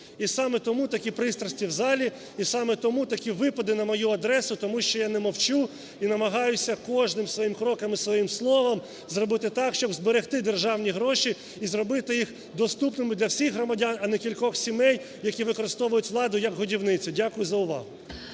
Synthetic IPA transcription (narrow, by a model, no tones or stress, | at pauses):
isɑmɛt̪ɔmut̪ɐkʲipɾɪst̪ɾɐsʲtʲiwzɑlʲi | isɑmɛt̪ɔmut̪ɐkʲiʋɪpɔd̪ɪnɐmɔjuɐd̪ɾɛsʊt̪ɔmuʃt͡ʃɔjanɛmɔwt͡ʃu | inɐmɐɦɑjʊsʲɐkɔʒnɪmsʋɔjimkɾɔkɐmisʋɔjimslˠɔʋɐm | zrɔbɪt̪ɪt̪ɑkʃt͡ʃɔbzbeɾext̪ɪd̪erʒɑwnʲiɦɾɔʃi | izrɔbɪt̪ɪjix | d̪ɔst̪upnɪmɪd̪lʲɐwsʲixɦrɔmɐdʲanɐnɛkʲilʲkɔxsʲimɛj | jɐkʲiʋɪkɔɾɪst̪ɔʋʊjʊtʲʋlˠɑd̪ʊjɐkɦʊdʲiwnɪt͡sʲʊdʲakʊjʊzɐʊʋɑ̰ɦʊ